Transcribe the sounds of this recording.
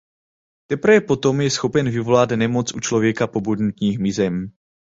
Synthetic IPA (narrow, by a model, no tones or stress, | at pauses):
t̪ɛpɾvɛpo̞t̪o̞mjɛsxo̞pɛnvɪvo̞lat̪nɛmo̞t͡sʔut͡ʃlo̞vjɛkapo̞bud̪nut̪ɲiːxmɪzɛm